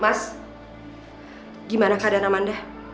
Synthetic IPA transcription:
mas | ɡimanakadanamandɛ

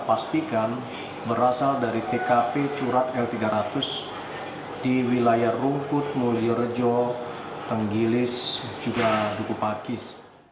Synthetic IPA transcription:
past̪ikan | bəɾasaldaɾit̪ekapet͡ʃuɾat̪̚ɛlt̪iɡaɾat̪ʊs | d̥iwilajaruŋkʊt̪̚moliərd͡ʒɔ | t̪əŋɡilɪsd͡ʒuɡadukupakɪs

